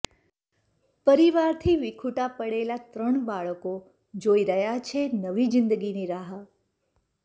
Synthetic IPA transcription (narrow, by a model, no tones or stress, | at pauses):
pəɾiʋaɾt̪ʰiʋɪkʰuʈapəɽelat̪ɾəɳbaɭəko | d͡ʒoiɾəɦjat͡ʃʰenəʋid͡ʒɪnd̪əɡiniɾaɦə